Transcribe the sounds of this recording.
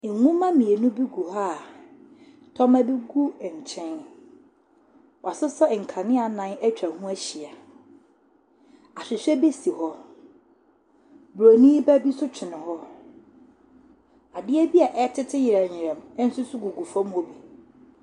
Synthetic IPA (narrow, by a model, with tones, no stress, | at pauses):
ŋũ˦mã˦mĩ˨e˨nʊ̃˦bi˦ɡu˨ha˦˨ | tʰɔ̃˦mæ˦bi˦ɡu˦˨ɲ̩˨t͡ɕʰɪ̃˦n | wa˨sʊ˦sɛ˦˨ŋ̩˨kʰã˨nɪ̃˦a˨nã˨˦nɛ˦t͡ɕᶣɾa˨hũ˦æ˦ɕi˨a˨ | a˨ɕᶣɪ˨ɕᶣɛ˦be˦si˨hɔ˦ | bɾo˨nĩː˦bæ˦bi˦sʊ˦t͡ɕʰᶣɪ˨nɪ̃˨hɔ˦ | a˨dɪ˦ɛ˦bi˦a˨ʔɛ˦tʰɪ˦tʰɪ˦jɪ˨ɾa˨ɲ˨ɪ˨ɾɛ̃˨m˦n̩˦sʊ˦sʊ˦ɡu˨ɡu˨fɔ̃˦m˦o˨bi˨